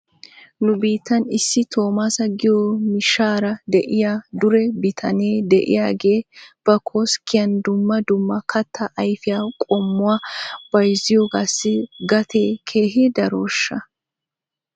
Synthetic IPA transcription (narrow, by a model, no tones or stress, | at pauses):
nʊbiːt̪ːɐnɪsːɪt̪ʰo̞ːmasɐɡɪjomɪʃaːɾɐd̪ɛʔɪjaːd̪ʊɾɛbɪt̪ʰɐneːd̪ɛʔɪ̰jaːɡe̞ːb̥ɐkʰoːskːɪjɐnd̪ʊmːɐd̪ʊmːɐkʰɐt̪ʰːɐʔɐjfɪjaːkʼɔmːʊwaːb̥ɐjzɪjoɡaːsːɪɡɐt̪ʰe̞ːkʰe̞ːɦɪd̪ɐɾo̞ːʃːɐ